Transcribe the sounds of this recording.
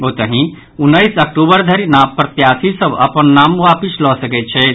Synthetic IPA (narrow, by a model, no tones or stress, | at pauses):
ot̪əɦĩ | unːəjsək̚ʈubəɾd̪ʱəɾinapːɾət̪jasisəbʱə̰pənːamwapislɔsəkɛt̪̚t͡ʃʰɛ